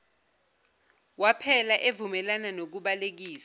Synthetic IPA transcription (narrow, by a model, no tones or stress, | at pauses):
wapʰɛlaʔevumɛlananok̬uɓalek̬iːsa